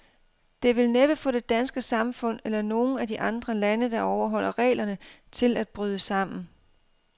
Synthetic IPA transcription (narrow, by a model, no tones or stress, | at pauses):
d̥e̝ʋe̝lned̥ə̥fɒ̽d̥e̝d̥ænsɡ̥əsɑ̈mfɔ̽n̰elɐno̝ːn̩æd̥iʔɑ̈nd̥ʁɐlænəd̥ɑ̈ɒʊɐɦɒ̽l̰ʔɐʁɛ̰ːlɐnə | t͡sʰe̝læd̥̚b̥ʁyːð̞ˠəsɑ̈m̰n̩